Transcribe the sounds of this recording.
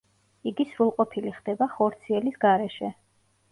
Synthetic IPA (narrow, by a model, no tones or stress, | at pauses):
iɡisɾulˠqʼɔpʰiliχd̪ɛbaχɔɾt̪sʰiɛlisɡaɾɛʃɛ